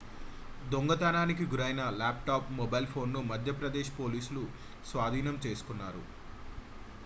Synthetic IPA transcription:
d̪oŋɡɐt̪aːnaːnik̬iɡuɾɐjnɐlaːp̚ʈaːpmɔbɐjlpʰo̞ːnːumɐd̪ʱjɐpɾɐd̪eːʃpo̞ːliːsulu | sʋaːd̪ʱiːnɐmt͡ʃe̞ːsu̥kunːaːɾṵ

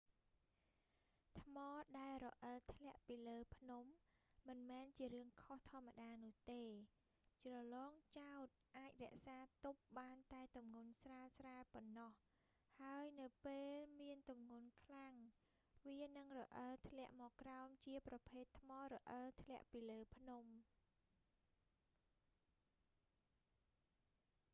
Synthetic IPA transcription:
t̪ʰmɑːɗaɛlrɔʔəlt̪ʰlɛ̆əʔpiːləːpʰnumːɨnmɛːnt͡ɕiəɾɨəŋkʰoht̪ʰŏəmːaɗaːnʊ̆əht̪eː | t͡ɕrɑlɑːŋt͡ɕaɔt̪̚ʔaːc̚rɛ̆əʔsaːt̪up̚ɓaːnt̪aɛt̪umŋunsraːsraːpɔnːɑh | haəjnɨwpeːlmiənt̪umŋunkʰlaŋ | ʋiənɨŋrɔʔəlt̪ʰlɛ̆əʔmɔːkːraɔmt͡ɕiəprɑpʰeːt̪ʰːmɑːrɔʔəlt̪ʰlɛ̆əʔpiːləːpʰnum

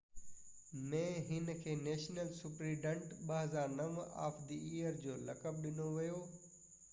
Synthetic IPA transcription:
mẽːɦɪnkʰeːneːʃnəlsʊpɾiːɖə̃ɳʈɓɐɦəzaːɾnɐʋa̰ːfd̪iijəɾd͡ʑoːlɐkəb̚ɗɪnoʋijoː

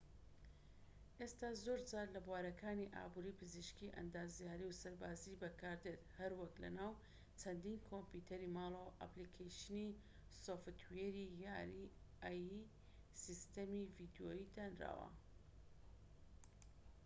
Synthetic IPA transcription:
ʔest̪aːzoɾt͡saːɾlɐbwaːɾɐkaːniʔa̰ːbuɾiːpʰɨziʃkiʔɐ̰nd̪aːzjaːɾiwsɐɾbaːzibɐkaːɾd̪et̪hɐɾwɐklɐ̰naːw | t͡ʃʰɐnd̪iːnkʰomput̪ʰɐɾimaːlˠowʔa̰plikʰejʃni | soft̪weɾijaːɾi | aji | sist̪ɐmivid̪jojid̪aːnra̰ːwɐ̰

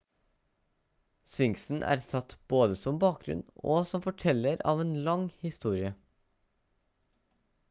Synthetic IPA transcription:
sʋɪŋsn̩ʔæ̰ːɾsɑt̪b̥oːd̪əsɔmbɑːk̚ɡɾʉ̰noːsɔmfɔʈʰɛlːəɾɑ̰ːʋeːnlɑŋhɪst̪uːɾɪə

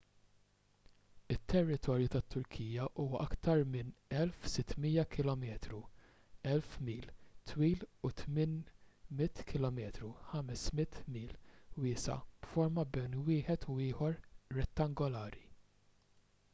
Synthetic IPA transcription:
ɪt̪ʰːɛrːɪt̪ʰɔːɾjut̪ɐt̪ːʊɾkʰijjɐʔuːwɐʔɐkt̪ɐɾmɪnɛlfsɪt̪ːmiːjɐkʰɪlɔmɛːt̪ɾu | ɛlfmiːlt̪ʰwiːlut̪mɪnmɪt̪ːkʰɪlɔmɛːt̪ɾuħɐmɛsmɪt̪miːlwɪːsɐ̰b̥fɔɾmɐbɛjnwɪːħɛt̪ʊɪːħɔɾːɛt̪ːɐŋɡɔlɐːɾi

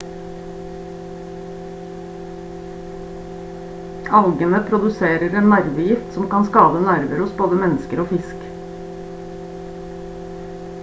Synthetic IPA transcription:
ɑlɡənəpʰɾʊd̪ʉseːɾəɾeːnnæɾʋəjɪft̪sɔmkɑnskɑːbənæɾʋəɾʊsboːd̪əmɛnskəɾoːfɪsk

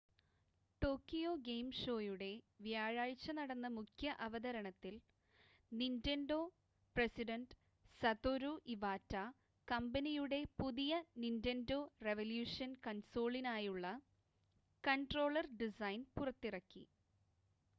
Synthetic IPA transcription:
ʈo̞ːkːijo̞ːɡejmʂo̞ːjuɽe̞ | ʋjaːɻaːɻt͡ɕːɐnɐɽɐnːɐmukʰjɐʔɐʋɐðɐɾɐɳɐt̪ːil | nindendo̞ː | presiɖɐnɖ | sɐt̪oɾuʔiʋaːtːa | kɐmbɐnijuɽe̞puðijɐnindendo̞ːreʋɐljuːʂɐnkɐnso̞ːɭinaːjuɭːɐ | kɐɳʈro̞ːɭɐrɖisɐjnpurɐt̪ːirɐkːḭ

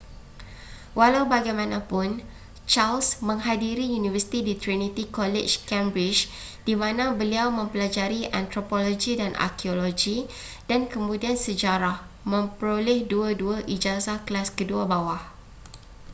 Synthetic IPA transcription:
walawbaɡajmãnãpʊn | t͡ʃalsmə̃ŋɦadiɾijunivəsi̥t̪idit̪ɾinit̪ikɔlɛt͡ʃkɛ̃mbɾit͡ʃ | d̥imãnãbəliawmə̃mpəlad͡ʒaɾiʔa̰nt̪ɾopolod͡ʒidanʔa̰kiolod͡ʒi | d̥ankəmũdiansəd͡ʒaɾah | mə̃mpəɾolɛhduəduaʔid͡ʒasahkəlaskəduabawah

